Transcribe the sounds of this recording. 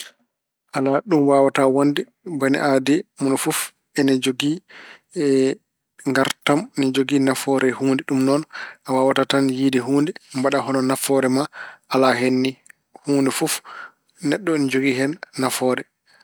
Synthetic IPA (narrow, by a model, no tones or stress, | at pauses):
ʔalaɗumwawatawondi | banḭʔadimunfuf | ɛnid͡ʒoɡi | ŋɡaɾtamnid͡ʒoɡinafɔɾɛhuːndɛɗumnɔnawawatatanjiːdɛɦuːndɛmbaɗaɦɔnɔnafɔɾɛmaʔalaɦenːi | huːndɛfuf | nɛɗːɔnid͡ʒoɡihɛnːafɔɾɛ